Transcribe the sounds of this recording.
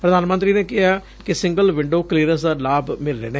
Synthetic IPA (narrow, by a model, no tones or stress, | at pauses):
pɾəd̪aːnmənt̪ɾiːneːkɪɦaː | kɪsɪŋɡəlʋɪɳɖoːkliːɾəs̬d̪aːlaːbmɪlɾɛːneː